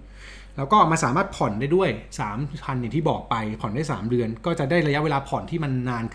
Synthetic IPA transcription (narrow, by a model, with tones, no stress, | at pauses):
lɛː˦˥wkɔː˥˩maː˧nsaː˩˦maː˥˩t̪̚pʰɔ˨˩ndaː˥˩jdu˥˩əjsaː˩˦mpʰa˧njŋt̪ʰiː˥˩bɔː˨˩k̚pa˧jpʰɔ˨˩ndaː˥˩jsa̰ː˩˦mɾɯ˧ənkɔː˥˩t͡ɕa˨˩daː˥˩jɾa˧ja˦˥we˧laː˧pʰɔ˨˩nt̪ʰiː˥˩ma˧nːaː˧nkʰ